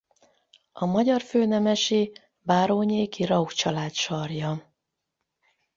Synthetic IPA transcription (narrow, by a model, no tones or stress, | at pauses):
ɒmɒɟɒrføːnɛmɛʃi | baːɾoːɲeːkirɒukt͡ʃɒlaːt̪ʃɒrjɒ